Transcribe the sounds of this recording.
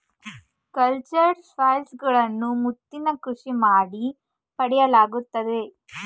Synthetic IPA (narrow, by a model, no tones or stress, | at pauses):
kɐlt͡ʃɐɾsʋaːjlsɡɐɭɐnːumut̪ːinɐkɾuʂimaːɽi | pɐɽɛjɐlaːɡut̪ːɐd̪e̞